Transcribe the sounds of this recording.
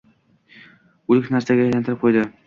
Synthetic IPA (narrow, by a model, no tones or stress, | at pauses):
ulʲɪknæɾsaɡʲajajlænt̪ʰɪɾɪp̚qʰojd̪ɪ